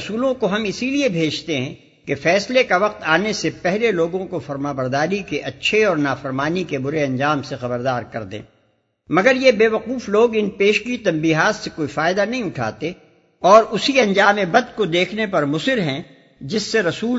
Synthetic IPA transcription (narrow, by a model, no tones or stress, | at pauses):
suːlõkoɦɐmɪsiliebʱeːd͡ʒt̪eɦɛ̃ | kefɛːslekaʋɐq̚t̪aːnesepɛɦleloːɡõkofɐɾmaːbəɾd̪aːɾikeʔɐtːʃʰeɔːɾnaːfɐɾmaːnikebʊɾeɐ̃nd͡ʒaːmsexɐbəɾd̪aːɾkɐɾd̪ḛ̃ː | mɐɡəɾjebeːʋɐquːfloːɡɪnpeːʃkit̪ɐ̃mbiːɦaːt̪sekoːifaːɪd̪anɐɦĩʊʈʰa̰ːt̪e | ɔːɾʊsiɐ̃nd͡ʒaːmebɐd̪kod̪eːkʰnepɐɾmʊsɪɾɦɛ̃ | d͡ʒɪsːeɾɐsuː